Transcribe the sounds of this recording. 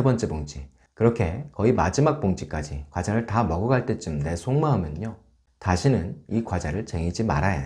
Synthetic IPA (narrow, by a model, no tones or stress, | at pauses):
ebʌnt͡ɕ͈e̞boŋt͡ɕ͈ʰi | kɯɾʌkʰe̞kʌimad͡ʑimak̚p͈oŋt͡ɕʰik͈ad͡ʑikwad͡ʑaɾɯɭtamʌɡɯɡaɭt͈et͡ɕ͈ɯmne̞sʰoŋmaɦamjʌno | taɕʰinɯnikwad͡ʑaɾɯɭt͡ɕe̞ŋid͡ʑima̰ɾaja